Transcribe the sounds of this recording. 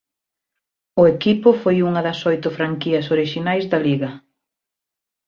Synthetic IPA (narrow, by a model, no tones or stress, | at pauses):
ʊekipʊfojuŋɐðɐsojt̪ʊfɾaŋkiɐsoɾiʃinajzðɐliɣɐ